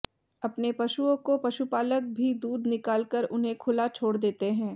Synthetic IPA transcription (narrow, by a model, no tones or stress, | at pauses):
ɐpnepɐʃuõkopɐʃupaːlək̚bʱid̪uːd̪nɪkaːlkəɾʊnɦẽkʰʊlat͡ʃʰoːɽd̪eːt̪eɦɛ̃ː